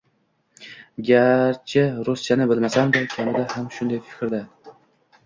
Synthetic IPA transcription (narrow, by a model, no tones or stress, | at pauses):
ɡʲaɾt͡ʃʰɪɾʊst͡ʃʰanɪbɪlmasamd̪akʲʰamɪd̪ahamʃʊnd̪ajfɪ̥kʲɾd̪a